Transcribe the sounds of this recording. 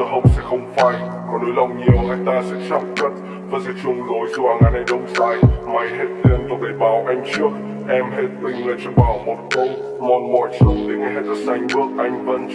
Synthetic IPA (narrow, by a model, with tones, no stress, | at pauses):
ə˧ɦə˧wŋ͡msɛ̰˧˥xə˧wŋ͡mfaː˧˩j | kɔ˨˦nɗu˧˦jlə˧wɲi˨˩əwŋaː˨˩jt̪aː˧sɛ̰˧˥t͡ɕaː˧mt̪wi˦˥t̚ | vaː˨˩zɨ̰˧˦t͡ɕʊ˧ŋ͡mzo˨˩jzu˧ʔaː˧ŋʔaː˧˩jna˧jɗə˧wŋ͡msaː˧jma˨˩jhe˦˥t̚t̪i˧ənt̪ɔ˨˩ɗə˨˦jɓaː˨˩wʔa˧jŋ̟t͡ɕɨ˦˥ək̚ | ʔɛ˧mhe˦˥t̚t̪ï˧˩ŋ̟lə˨˩t͡ɕɔ˧˩ɓaː˨˩wmo˨˩t̚kə˧w | mɔ˨˧˩nmɔ˧˩jt͡ɕʊ˧˩ŋ͡mt̪i˨˦ŋa˨˩hɛ˨˦˥t̚za˧˩sa˧jŋ̟ɓɨ˦˥ək̚ʔa˧jŋ̟və˧n